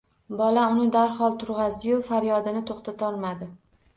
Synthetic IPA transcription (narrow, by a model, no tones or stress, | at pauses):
bɒlaʊnɪd̪aɾhɒlˠt̪ʰʊɾʁɑzd̪ɪjʊfaɾjɒd̪ɪnɪt̪ʰoχt̪at̪ʰɒɾmad̪ɪ